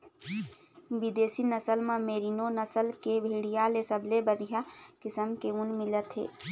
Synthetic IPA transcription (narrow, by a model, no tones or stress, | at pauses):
bid̪eːsinəsəlmãmeːɾinonəsəlkebʱeːɽijalesəblebənijakɪsəmkeʊnmɪlət̪ɦḛː